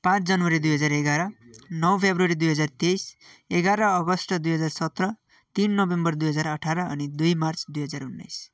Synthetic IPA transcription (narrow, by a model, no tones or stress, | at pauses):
pãt͡sʰd͡zʌnwʌɾid̪ujɦʌd͡zareɡaɾʌnʌwpʰebruʌɾid̪ujɦʌd͡zart̪ejseɡaɾʌːɡʌsʈʌd̪ujɦʌd͡zarsʌt̪rʌ | t̪inːʌbembʌrd̪ujɦʌd͡zarʌʈʰaɾʌʌ̰nid̪ujmart͡sd̪ujɦʌd͡zarunːʌ̰js